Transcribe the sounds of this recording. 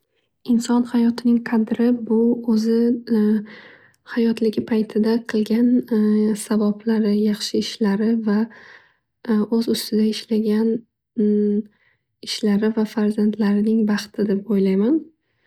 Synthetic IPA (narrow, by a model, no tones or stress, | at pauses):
ɪnsɒnhajɒt̪ʰɪnɪŋqʰɑd̪ɾɪbʊɵzɪ | hajɒt̪lɪɡʲɪpʰajt̪ʰɪd̪aqʰɨlˠɡʲansabablaɾɪjɑχʃɪɪʃlaɾɪva | ɵzʊst̪ɪd̪aɪʃlaɡʲan | ɪʃlaɾɪvafaɾzant̪laɾɪnɪŋbɑχt̪ʰɪd̪e̞p̚ojlajman